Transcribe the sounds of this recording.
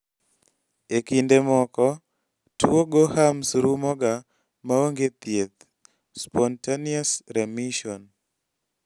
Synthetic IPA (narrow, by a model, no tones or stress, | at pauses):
ekindemɔkɔ | tuoɡohamsɾumɔɡa | maoŋɡet̪jet̪ | spɔntaniasɾɛmiʃɔn